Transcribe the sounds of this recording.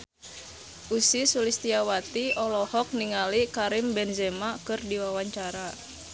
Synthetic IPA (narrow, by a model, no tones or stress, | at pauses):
ʔusisulist̪iawat̪iɔlɔhɔk̚niŋalikaɾimbɛnzɛmakɨrdiwawaɲt͡ʃaɾa